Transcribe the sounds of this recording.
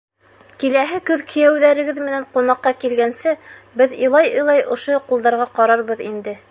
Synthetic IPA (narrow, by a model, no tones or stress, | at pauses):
kilæɦɘkɵðkʰɵ̆jæwðæɾɘ̆ɡɘðmɘ̆næɴqunɑqːɑkilɡænsɘbɘðɤ̰̆jlˠɑjɤ̆jlˠɑjʔŏʃojqulˠd̪ɑɾʁɑqɑɾɑɾβɤðḭnd̪ɘ